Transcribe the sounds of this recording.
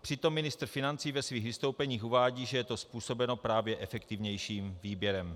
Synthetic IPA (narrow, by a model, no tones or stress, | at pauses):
pr̥ɪt̪o̞mːɪnɪst̪r̩fɪnant͡siːvɛsviːɣvɪst̪owpɛɲiːxuvaːɟiːʒɛjɛt̪o̞spuːso̞bɛno̞pɾaːvjɛʔɛfɛkt̪ɪvɲɛjʃiːmviːbjɛɾɛm